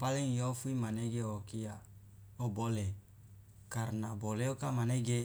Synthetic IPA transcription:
paleŋjofuimaneɡeokia | obole | kaɾnaboleokamaneɡe

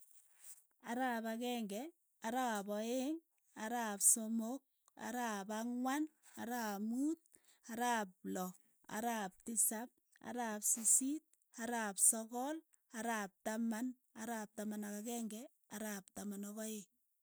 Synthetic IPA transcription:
aɾapakɛŋɡɛ | aɾap̬ɔeŋ | aɾapsomok̚ | a̰ɾapaŋwanaɾaːmuːt̚ | aɾaːp̚lɔ | a̰ɾap̚tisap̚ | a̰ɾapsisit̚ | aɾapsɔkɔl | aɾap̚taman | aɾap̚tamanakakɛŋɡɛ | aɾaːp̚tamanɔkɔe

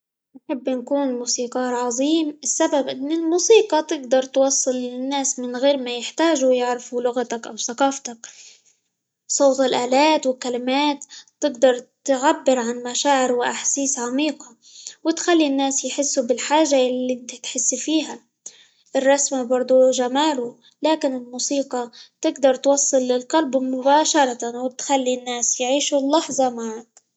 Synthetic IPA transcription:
nħɪbːnkuːnmuːsiːqɑːɾˤʕɑðˤiːmʔɪsːababʔɪnːɪlmuːsiːqɑt̪ɪɡ̚d̪ɑɾˤt̪wɑsˤːɨlɪnːaːsmɪnɣeːɾmajɪħt̪aːʒujɪʕɾɪfulʊɣat̪akʔawθaqɑːft̪ak | sˤoːt̪ɪlʔaːlaːt̪wɪkalɪmaːt̪ːɪɡd̪ɑɾˤt̪ʕabːɪɾʕanmaʃaːʕɪɾwɪʔaħsiːsʕamiːqɑ | wɪt̪xalːinːaːsjħɪsːubɪlħaːʒːajalːit̪t̪ħɪsːfiːɦa | ʔɪrˤːɑsmabɑɾˤd̪ˤuʒamaːlu | laːkɪnɪlmuːsiːqɑt̪ɪɡd̪ɑɾˤt̪wɑsˤːɨlːɪlqɑlbmʊbaːʃɑɾˤɑt̪awɪt̪xalːinːaːsjʕiːʃulːɑħzˤɑmaʕak

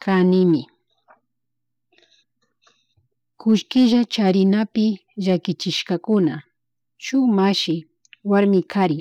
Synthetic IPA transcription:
kʰanɪmɪ | kʊʃkɪʒat͡ʃaɾɪnapɪʒakɪt͡ʃɪʃkakʊna | t͡ʃʊmaʃɪ | waɾmɪkʰaɾɪ

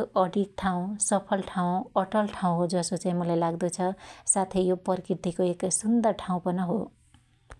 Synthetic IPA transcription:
oʔʌɽik̚t̪ʰaw̃sʌpʰʌlʈʰaw̃ʌʈʌlʈʰaw̃ɦod͡zʌsot͡saĩmʌlajlaɡd̪ʌt͡sʰʌsat̪ʰejopʌɾikrirt̪ikoeksund̪ʌrʈʰaw̃pʌnʌɦo

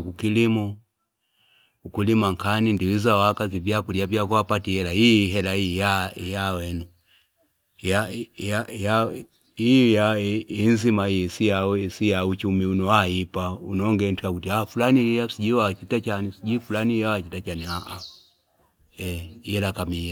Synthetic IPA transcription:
kukilimɔ | ukulimaŋkʰanindiwizawakaziviakuliaviakuapatihɛlahiɦɛlaijajawɛnu | jajaja | ijainzimaisijasijaut͡ʃumiunɔaipaunɔŋɡɛntikakutiafulaniiasiʄiwat͡ʃitat͡ʃanisiɟifulanijawat͡ʃitat͡ʃaniaʔa | ɛjɛlakamia

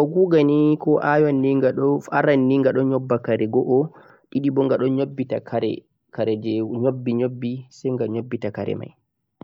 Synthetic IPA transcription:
kɔɡuːɡanikɔʔajanːiŋɡaɗɔfaɾanːiŋɡaɗɔɲɔbːakaɾɛɡɔʔɔ | ɗiɗibɔŋɡaɗɔɲobːitakʰaɾɛ̰ | kaɾɛd͡ʒɛɲobːiɲobːisɛjŋɡaɲobːitakaɾɛ̰ma̰j

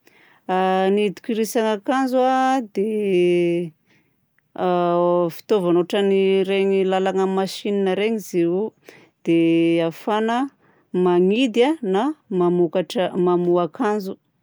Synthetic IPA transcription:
anid̪i̥kʲiɾisaŋakanzuad̪e | fi̥t̪ovanoʈ͡ʂəniɾeɲilalaŋəmaʃininəɾeŋizeu | d̪̥eafanə | maŋid̪anamamukaʈ͡ʂəmamuakanzu

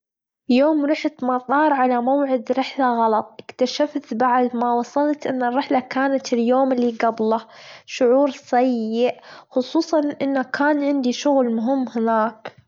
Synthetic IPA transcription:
joːmɾɪħt̪mɑt̪ˤɑːɾˤʕalamawʕɪd̪ɾɪħlaɣɑlɑt̪ˤʔɪkt̪aʃaft̪baʕd̪mawɑsˤɑlt̪ʔɪnːɪrːɪħlakaːnat̪ɪljoːmliːɡablɑʃʊʕuːɾsajɪʔxʊsˤuːsˤɑnʔɪnːakʰaːnʕɪnd̪iʃʊɣlmʊɦɪmːhɪnaːk

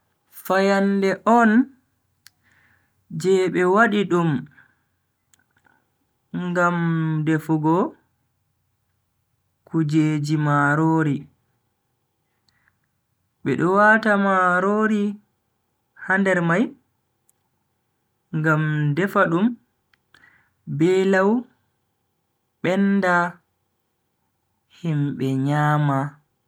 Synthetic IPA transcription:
fajandɛʔɔn | d͡ʒɛɓɛwaɗiɗum | ŋɡamdɛfuɡɔ | kud͡ʒeːd͡ʒimaɾoːɾi | ɓɛɗɔwatamaɾoːɾi | handɛɾmaj | ŋɡamdɛfaɗum | bɛlaw | ɓɛnda | himɓɛɲaːma

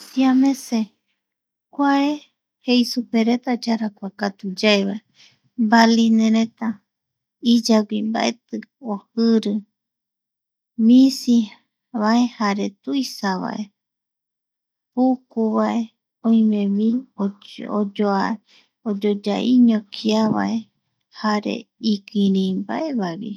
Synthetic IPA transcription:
siamẽse | kʷae | hejsupeɾet̪ad͡ʒaɾakʷakat̪ud͡ʒaeβae | mbalinẽɾet̪a | id͡ʒaɡʷimba̰ʔe̞t̪ɨohɨɾɨ | mĩsi | βaehaɾe̞t̪ujsaβa̰ʔe | pukuβaʔe̞ | õĩmẽmĩood͡ʒoa | od͡ʒod͡ʒaʔiɲõkʰiaβa̰ʔe | haɾḛikiɾĩmbaʔeβaβḭ

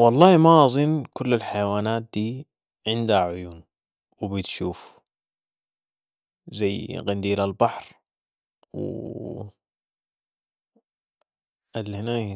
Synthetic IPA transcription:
wɑlˤːɑːhimaʔɑzˤɨnkʊlːalħajawaːnaːt̪̚d̪̥iː | ʕɪnd̪haʕʊjuːn | wɪbɪt̪ʃuːf | zajːɣand̪iːlalbɑħɾ | w̰ | ʔalhɪnaj

